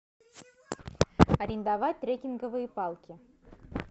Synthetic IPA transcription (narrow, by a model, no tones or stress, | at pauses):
ɐɾʲɪnd̪ɑvɑt̚ʲt̪ːrʲekʲinɡəvɨjəpɑlˠkʲi